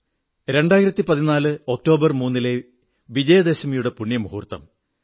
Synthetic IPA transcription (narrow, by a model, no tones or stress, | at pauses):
ɾe̞ɳɖaːjiɾɐt̪ːipɐðinaːlɨo̞k̚to̞ːbɐrmuːnːile̞ | ʋid͡ʑɐjɐd̪esɐmɐjuɽe̞puɳːjɐmuɦurt̪ːɐ̰m